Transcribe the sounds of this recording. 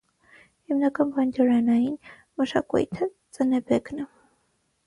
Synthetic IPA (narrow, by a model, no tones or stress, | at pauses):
himnɑkɑnbɑnd͡ʒɑɾɑnɑjin | məʃɑ̰kṵjt̪ʰə | t͡sənɛbɛknə